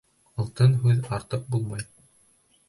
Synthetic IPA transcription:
ɤ̆lˠt̪ɤnɦʉðɑɾt̪ɤq̚bulˠmɑj

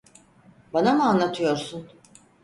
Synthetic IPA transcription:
banamuanlˠat̪ʰɯjo̞ɾsun

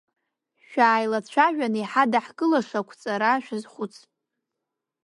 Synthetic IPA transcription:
ʃᶣaːjlat͡ɕʷʰaʒʷᶣaniħadaħɡʼɨlaʂakʷʰt͡sʼaɾaʃᶣazχʷʊt͡sʰ

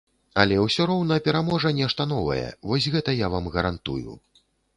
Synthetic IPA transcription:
ɐlʲɛwsʲɔɾɔwnɐɐpʲɛɾamɔʐɐnʲɛʂt̪ɐn̪ɔvɐ̰jɛ̰vɔsʲɣɛt̪ɐjavamɣɐɾant̪ṵjṵ

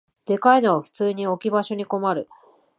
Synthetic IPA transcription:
d̪̥e̞kaino̞βaɸɯ̟̥t͡sɨːɲ̟io̞kʲibaɕo̞ɲ̟iko̞maɾɯ̟

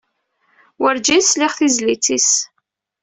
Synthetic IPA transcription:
wəɾd͡ʒisliʁθizlit͡sis

